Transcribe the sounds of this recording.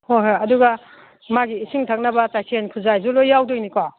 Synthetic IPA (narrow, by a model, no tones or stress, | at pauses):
hojɦojɐduɡɐ | maɡiːsʰiŋtʰak̚nɐbɐt͡ʃajkʰenkʰuzajzulojawdojnikwa